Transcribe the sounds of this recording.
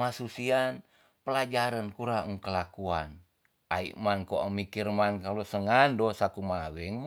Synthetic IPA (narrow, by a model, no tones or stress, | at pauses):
masusian | pəlad͡ʒaɾənkuɾaŋukəlakuan | aḭʔmankoʔamikirmankalusəŋandosakumawɛŋm